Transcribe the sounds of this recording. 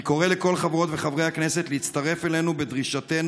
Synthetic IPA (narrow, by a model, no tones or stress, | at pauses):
ko̞ʁele̞ko̞lχavʁo̞t̪veχavʁejhakne̞se̞t̪leit̪t͡st̪aʁe̞fele̞nube̞d̪ʁiʃaten